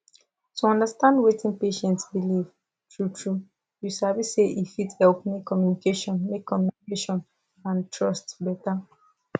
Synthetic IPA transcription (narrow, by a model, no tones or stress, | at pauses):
tuɔ̃ndastãndwetʰĩnpeʃɛ̃ntsbiliv | tɹutʰɹu | jusaviseʔifithɛlpmekʰːɔmjunikeʃɔ̃nmekʰːɔmjunikeʃɔ̃n | ãntɹɔstbɛta